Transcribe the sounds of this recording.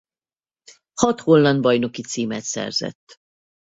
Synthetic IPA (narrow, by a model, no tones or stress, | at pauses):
hɒt̪holːɒnd̪̚bɒjno̞kit̪siːmɛt̪sɛ̰rz̥ɛ̰t̪ː